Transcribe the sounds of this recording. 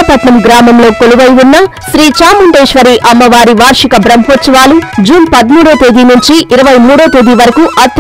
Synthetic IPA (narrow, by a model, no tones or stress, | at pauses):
ɐp̪ɐʈ̪nɐmɡɾaːmɐmlo̞ːkoluʋɐjunːɐ | ʃɾiːt͡ʃaːmuɳɖeːʃʋɐɾiʔɐmːɐʋaːɾiʋaːɾʂikɐbɾɐmpot͡ʃɐʋaːlud͡ʒuːnpɐd̪muːɽoːt̪eːd̪inuɲt͡ʃiʔiɾɐʋɐjmuːɽoːt̪e̞ːd̪iʋɐɾɐkuʔɐt̪